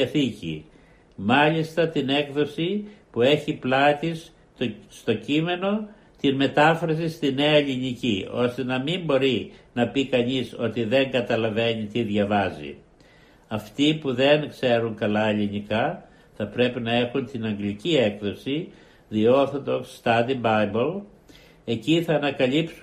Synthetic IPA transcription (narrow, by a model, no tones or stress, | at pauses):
ɐθicḭ | mɐʎist̪ɐt̪ine̞kðo̞sipue̞çiplɐt̪isː | t̪o̞cime̞no̞ | t̪inme̞t̪ɐfɾɐs̬ist̪ine̞ɐeʎinicio̞st̪e̞nɐmimbo̞ɾinɐpikɐɲiso̞t̪iðe̞ŋɡɐt̪ɐlɐve̞ɲit̪iðʝɐvɐzḭ | ɐft̪ipuðe̞nkse̞ɾuŋkɐlɐeʎinikɐ | θɐpɾe̞pinɐe̞xunt̪inɐŋɡlicie̞kðo̞si | ðio̞θod̪oksst̪ɐd̪ibɐbol | e̞ciθɐːnɐkɐlips